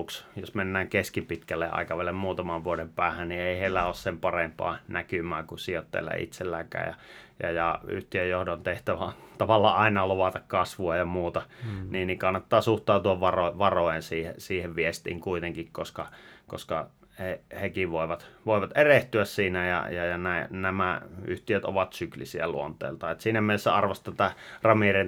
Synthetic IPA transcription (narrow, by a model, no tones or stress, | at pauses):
ksjosmenːæːŋkeskipit̪kælːḛʔʔɑ̰ˑikɑʋælːˑemmuːt̪ɑmɑʋʋuodempæːhænnieˑiheˑilːæoːssempɑrempɑ̰ːnækymæːkunsiot̪ːḛlːæ̰ʔḭt̪selːæːkæ̰ːjɑ̰jɑ̰jɑy̰ht̪iøjjohdont̪eht̪æʋænt̪ɑʋɑlːɑ̰ːʔɑˑinɑloʋɑt̪ɑkkɑsʋuɑjɑmuːt̪ɑniːnnikɑnːɑt̪ːɑːsuht̪ɑːut̪uɑʋʋɑroʋɑrojensiːhḛsiːheʋʋiest̪ḭːŋkuit̪eŋkikkoskɑko̰skɑ̰ | hehekiʋʋoˑiʋɑt̪ʋoˑeʋɑt̪ʔereht̪yæssiːnæjɑ̰jɑjɑnænæmæyht̪iøt̪o̰ʋɑt̪syklḭsiæ̰lṵont̪ˑḛːlt̪ɑet̪siːnæmielːesːæɑrʋɑst̪ɑt̪ærɑmirin